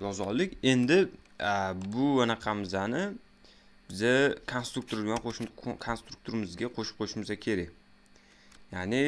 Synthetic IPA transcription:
jɒzɒlˠːɪkʲe̞nd̪ɪ | bʊanaqʰɑmɪzanɪ | b̥ɪzakʰonst̪ɾuk̚t̪ʰoɾd̪ɪɡʲanqokʰonst̪ɾu̥k̚t̪ʰoɾɪmɪzɡʲaqʰoʃɪ̥p̚qʰoʃɪmɪzakʲʰe̞ɾakʲ | janɪ

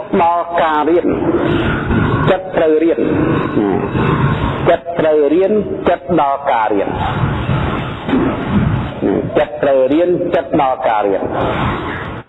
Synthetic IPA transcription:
ɗɑlkaːriən | t͡ɕət̪̚ːrəwriənna̰ | t͡ɕət̪̚ːrəwriənt͡ɕət̪̚ɗɑlkaːɾiən | na̰t͡ɕət̪̚ːrəwriənt͡ɕət̪̚ɗɑlkaːɾiən

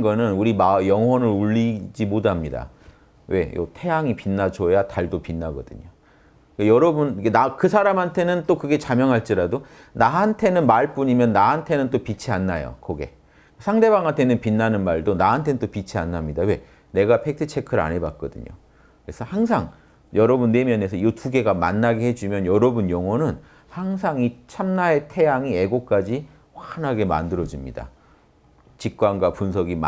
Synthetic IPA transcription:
ɡʌnɯnuɾimajʌŋɦwʌnɯɾuʎːid͡ʑimodamɲida̰ | we̞jo̰tʰe̞jaŋipinːad͡ʑʰojataɭdopinːaɡʌdɯ̰ɲo̰ | kejʌɾʌbunkenakɯsʰaɾamɦantʰe̞nɯnt͈okɯɡe̞t͡ɕamjʌŋɦaɭt͡ɕ͈iɾado | naɦantʰe̞nɯnmaɭp͈uɲimjʌnːaɦantʰe̞nɯnt͈opit͡ɕʰianːajo̰kʌɡe̞̰ | sʰaŋde̞βaŋɦantʰenɯnpinːanɯnmaɭdonaɦantʰe̞nɯnt͈opit͡ɕʰianːamɲidawe̞ | ne̞ɡapʰek̚tʰɯt͡ɕʰe̞kʰɯɾa̰ɲeba̰t̚k͈ʌdɯ̰ɲo̰ | kkɯɾesʰʌhaŋsʰaŋ | jʌɾʌbunːe̞mjʌne̞s̬ʰʌiʌtuɡe̞ɡama̰nːaɡehe̞d͡ʑimjʌnjʌɾʌbunjʌŋwonɯn | haŋsʰaŋit͡ɕʰamnae̞tʰe̞jaŋie̞ɡok͈ad͡ʑi | ɸwanɦaɡe̞ma̰ndɯɾʌd͡ʑimɲḭda̰ | t͡ɕik̚k͈wanɡwapuns̬ʰʌɡim

